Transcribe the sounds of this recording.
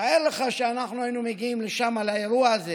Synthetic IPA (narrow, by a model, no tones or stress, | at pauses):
ajeleχaʃeanaχnuajinumeɡiimleʃamalaeɾuaːze